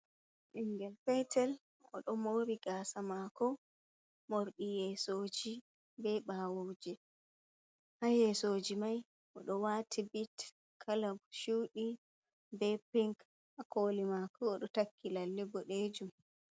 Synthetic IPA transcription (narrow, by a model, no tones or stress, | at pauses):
ʔiŋɡɛlfɛjtʰɛl | ɔ̰ɗɔmoːɾiɡaːsamakɔ | moɾɗijɛsoːd͡ʒi | bɛɓawod͡ʒɛ | hajɛsoːd͡ʒimaj | ʔɔɗɔwatʰibit | kʰalabʃuːɗi | bɛpiŋk | ʔakʰolimakɔːɗɔtakːilalːɛbɔɗeːd͡ʒum